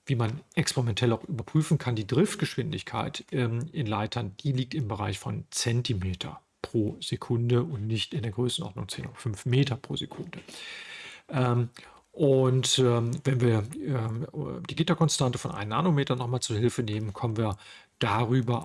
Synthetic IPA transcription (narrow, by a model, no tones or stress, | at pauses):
viːmanʔɛkspeʁimɛntʰɛlaʊxʔyːbɐpʁ̥yːfn̩kʰandiːdʁɪft̚ɡ̥əʃv̥ɪndɪçkʰa̰ɪtʔmʔɪnlaɪtʰɐnd̥iːliːk̚tɪmbəʁaɪçfɔnt͡sɛntimeːtʰɐ̰ | pʁ̥oːz̥ekʰʊndəʊntnɪçtɪndeːɐɡʁøːsn̩ʔɔ̰ɐdnʊŋt͡sḛːno̰ːdɐfʏnfmeːtɐpʁ̥o̰ːzekʰʊndə | ʔɛːm | ʔʊntɛvɛnviːɐɛmd̥iːɡɪtakɔnstantə̥fɔnʔa̰ɪnənːa̰ːnomeːtɐnɔχmaːlt͡suhɪlfəneːmənkʰɔmənviːɐ | d̥aːʁyːbɐ